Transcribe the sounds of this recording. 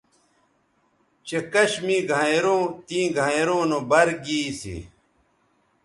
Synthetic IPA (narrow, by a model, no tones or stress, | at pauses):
t͡ɕekɐɕmiɡʱajɾõːt̪ĩːɡʱajɾõːnobɐɾɡiːsḭ